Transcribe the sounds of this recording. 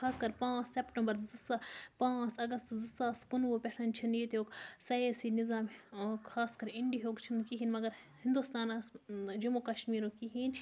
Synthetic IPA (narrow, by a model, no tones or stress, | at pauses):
kʰaːskɐɾpãːt͡ʃsepʈɐmbɐɾzɨsapãːt͡sɐɡɐst̪zɨsaːskʊnʋopʲɛʈʰɐnt͡ʃʰiniːt̪oːksɐeːsinizaːmkʰaːskɐɾɪɳɖiɦoːkt͡ʃʰinkiɦiːnmɐɡɐɾ | hɪ̃nd̪ust̪aːnasd͡ʒumukɐʃmiːɾõkiɦiːn